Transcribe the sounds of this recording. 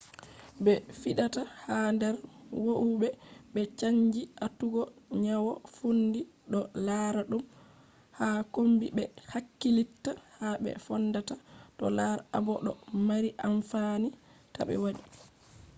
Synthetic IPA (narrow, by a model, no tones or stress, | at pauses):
bɛfiɗatahandɛɾwoʔuɓɛɓɛt͡ʃaɲd͡ʒiʔatuɡɔɲawɔfundiɗɔlaɾaɗum | hakombibɛhakːilitːahaɓɛ̰fɔndatatɔ̰laɾabɔɗɔmaɾiʔaɱfanita̰ɓɛ̰waɗi